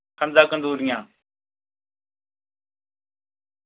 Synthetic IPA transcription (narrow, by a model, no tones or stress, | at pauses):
kʰənzaːkənd̪uːɾɪjãː